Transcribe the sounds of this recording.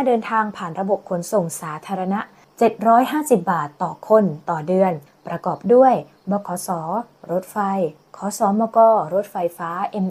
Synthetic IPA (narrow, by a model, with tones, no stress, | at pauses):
aː˥˩dɤː˧nt̪ʰaː˧ŋpʰaː˨˩nɾa˧bo˨˩p̚kʰo˩˦nso˨˩ŋsaː˩˦t̪ʰaː˧ɾa˧na˦˥ʔ | t͡ɕe˨˩t̪̚ɾɔː˦˥jɦaː˥˩si˨˩p̚baː˨˩t̪ːɔː˨˩kʰo˧nt̪ɔː˨˩dɯ˧ən | pɾa˧kɔː˨˩p̚du˥˩əj | mɔː˧kʰɔː˩˦˥sɔː˩˦ | ɾo˦˥t̪̚fa˧j | kʰɔː˩˦sɔː˩˦mɔː˧kɔː˧˩ɾo˦˥t̪̚fa˧jfaː˦˥ʔe˧m